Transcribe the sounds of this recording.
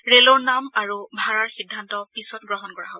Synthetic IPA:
ɹelɔɹnamaɹubʱaɹaɹxidʱːantɔpisɔtɡɹɔɦɔnkɔɹa̰ɦobɔ

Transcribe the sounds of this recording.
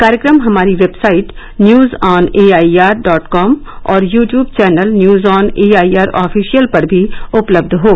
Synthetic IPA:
kaːɾjəkɾəmɦɐmaːɾiʋeːbsaːɪʈ | njuːzɔːneːaːiaːɾɖɔːʈkɔːm | ɔːɾjuːʈjuːbt͡ʃɛːnəlnjuːzɔːneːaːiaːɾɔːfʰiːʃijəlpɐɾbʱiʊpləbd̪ʱɦoː

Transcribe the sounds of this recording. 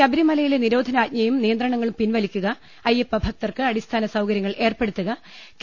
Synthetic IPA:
kɐbiɾimɐlɐjileniɾo̞ːd̪ʱɐnaːt̪̚ɲɐjumnijɐnd̪rɐɳɐŋːɐɭumpinʋɐlikʲːuɣɐ | ɐjepːɐbʱɐk̚t̪ɐrkɨɐɽist̪ʰaːnɐsɐwkɐɾjɐŋːɐɭʔe̞ːrpe̞ɽut̪ːuɣɐ | k

